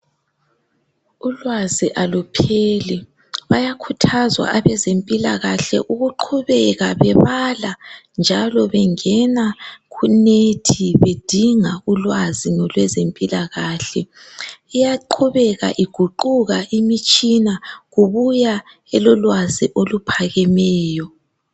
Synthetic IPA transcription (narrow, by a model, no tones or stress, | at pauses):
ulwaziʔalupʰeli | βajakʰutʰazwa̰ʔaβɛzempʼilaɣaɬɛ̰ʔuɣuǃʰuβɛɣaβɛβaland͡ʒʱalɔβɛŋɛnaɣunetʰiβed̥ʱiŋaulwazinɔlwɛzempʼilaɣaːɬɛ | ijaǃʰuβɛɣa̰ʔiɡ̥ʱuǃuɣaʔimit͡ʃʼinaɣuβuja | ɛlɔlwaziʔolupʰaɣɛmɛːjɔ